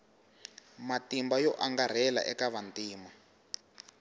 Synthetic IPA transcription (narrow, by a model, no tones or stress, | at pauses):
matimbajɔʔaŋɡar̤ɛla̰ʔɛkaβantiːma